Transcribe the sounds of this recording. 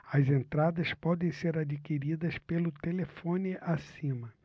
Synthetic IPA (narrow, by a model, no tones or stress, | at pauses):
ɐzẽnt̪ɾad̪ɐspɔd̪ẽj̃seɾad͡ʒikiɾid̪ɐspelʊt̪elefõniʔasĩmɐ